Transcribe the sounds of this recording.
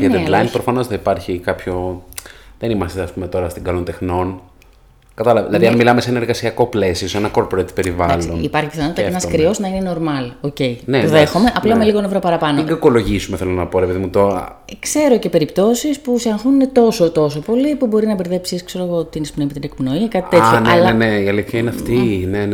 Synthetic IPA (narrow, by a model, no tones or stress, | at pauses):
ɲɐd̪ed̪lɐinpɾofɐno̞sθɐipɐɾçikɐpço̞ | ðenimɐst̪eɐspume̞t̪o̞ɾɐst̪iŋɡɐlo̞nt̪e̞xno̞n | kɐt̪ɐlɐvɐðilɐðiɐnmilɐmeseenɐeɾɣɐsiɐko̞ple̞sio̞senɐkoɾpɾet̪pe̞ɾivɐlo̞nipɐɾçipiθɐnoɐt̪ɐenɐskɾio̞znɐine̞no̞ɾmɐloce̞ineoðexome̞ʔɐplɐmeliɣonevɾopɐɾɐpɐnoiɡɐko̞lo̞ʝisumeθelonɐpo̞ɾepeðimut̪oɾɐ̰kse̞ɾo̞ce̞pe̞ɾipt̪o̞sispuseɐŋxuninet̪o̞sot̪o̞so̞po̞lipubo̞ɾinɐbeɾðe̞psiskseɾoeɣot̪inekpno̞imet̪inekpno̞ikɐt̪iit̪eçonɐlene̞iɐliθçɐineɐftt̪inen